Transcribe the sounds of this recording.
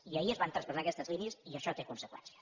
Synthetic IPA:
iəiəzβant̪ɾəspəzakɛst̪əzliniəziəʃɔt̪ekunsəkwɛ̰nsiə

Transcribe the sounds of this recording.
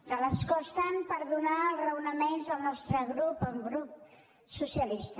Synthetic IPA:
d̪̥ələskɔst̪ənpəɾðunaəlˠzrəwnəmenzəlˠnɔst̪ɾəɣɾupəŋɡɾup̚ | susiəlist̪ə

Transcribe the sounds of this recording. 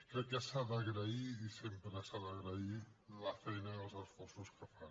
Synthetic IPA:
kɾɛkːəsaðəɣɾəiːsempɾəsaðəɣɾəiləfɛjnəðəlˠzəsfɔrsuskəfan

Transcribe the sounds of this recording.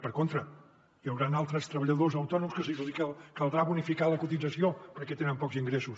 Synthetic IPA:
pəɾkont̪ɾə | jəwɾanalˠt̪ɾəst̪ɾəβəʎəðozəwt̪ɔnumskəs̬iiəkəlˠd̪ɾaβunifikaləkut̪id͡zəsiopəɾkɛt̪enəmpɔkziŋɡɾɛsus

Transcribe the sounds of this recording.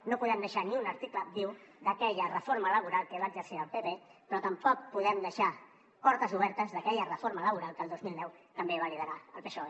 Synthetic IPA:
nopuðɛmd̪əʃaniunəɾt̪ikləd̪iwd̪əkɛʎərəfoɾmələβ̞uɾalˠkəβaːɡzəɾsiɾəlˠpepepɾɔt̪əmpɔk̚puðɛmd̪əʃa | pɔɾt̪əzuβ̞ɛɾt̪əzðəkɛʎərəfoɾmələβuɾalˠkəlˠd̪ozmilˠnɛwt̪əmbeβaɾiðəɾaəlˠpesoe

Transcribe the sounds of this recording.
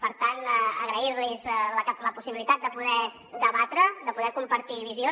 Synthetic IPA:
pəɾt̪anəɣɾəiɾlizləkɛləpusiβilit̪at̪̚d̪əpuðɛ | d̪əβat̪ɾəd̪əpuðɛkumpəɾt̪iβizio

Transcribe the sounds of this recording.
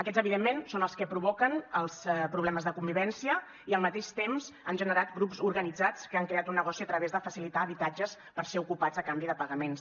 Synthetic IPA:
əkɛzəβiðemːensonəlˠskəpɾuβ̞ɔkənəlˠspɾuβlɛməzðəkumbiβɛnsiə | iəlˠmət̪eʃt̪emzənʒənəɾat̪ɡɾupzuɾɣənid͡zat͡skəaŋkɾeat̪unːəɣ̞ɔsiət̪ɾəβezðəfəsilit̪aːβit̪ad͡ʒəs | pəɾseukupad͡zəkambiðəpəɣəmens

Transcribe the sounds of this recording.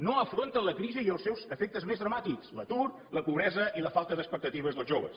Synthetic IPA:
noəfɾont̪ələkɾiziiəlˠsɛwzəfek̚t̪əzmezðɾəmat̪ikslə̰t̪uɾ | ləpuβɾɛzəʔiləfalˠt̪əðəkspək̚t̪ət̪iβəzðəlˠzʒoβə̰s

